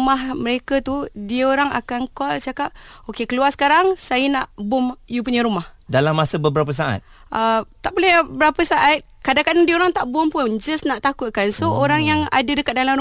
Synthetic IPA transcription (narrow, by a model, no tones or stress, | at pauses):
mahməɾekət̪udiəoɾaŋa̰kankɔlt͡ʃakap̚okekəluarsə̥kaɾaŋsajənaʔbʊmjup̬uɲəɾumahdalamːasəbəbəɾap̬əs̬aʔa̰t̪̚ | ʔət̪aʔbolɛhəbəɾapəsaʔat̪̚kadakadandiəoɾaŋt̪aʔbʊmpʊnd͡ʒasnaʔt̪akut̪̚kansooɾaŋjaŋa̰dədəkat̪̚dalamɾu